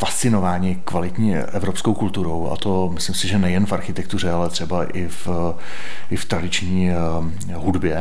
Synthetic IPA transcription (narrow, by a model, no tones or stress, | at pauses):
fast̪t͡sɪno̞vaːɲɪkvalɪt̪ɲiːʔɛvɾopskowkult̪uɾo̞wa̰t̪omɪslɪmsɪʒɛnɛjɛnfaɾxɪt̪ɛkt̪ur̝ɛalɛt̪r̥ɛbaʔɪf | ʔɪft̪ɾadɪt͡ʃɲiː | ɦudbjɛ